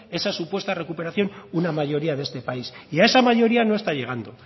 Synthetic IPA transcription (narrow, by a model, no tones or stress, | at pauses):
e̞sasupwe̞st̪are̞kupe̞ɾaθjo̞nunamaʝo̞ɾiaðe̞st̪epaisiae̞samaʝo̞ɾiano̞est̪aʎe̞ɣ̞and̪o̞